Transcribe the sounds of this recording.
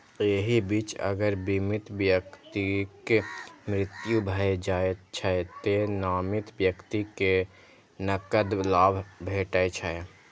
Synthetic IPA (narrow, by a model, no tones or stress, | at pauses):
eɦibit͡ʃə̰ɡəɾbimit̪bjəkt̪ikemɾɪt̪jubʱəjd͡ʒaet̪t͡ʃʰəɛt̪enamit̪bjəkt̪ike | nəkəd̪labʱbʱeʈət͡ʃʰə